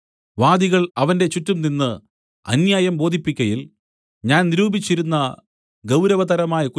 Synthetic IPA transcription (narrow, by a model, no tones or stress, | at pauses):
ʋaːd̪iɣɐɭɐʋɐnde̞t͡ɕutːumninːɨ | ɐ̰njaːjɐmbo̞ːd̪ʱipːikʲːɐjil | ɲaːnniɾuːbit͡ɕːiɾunːɐ | ɡɐwɾɐʋɐt̪ɐɾɐmaːjɐku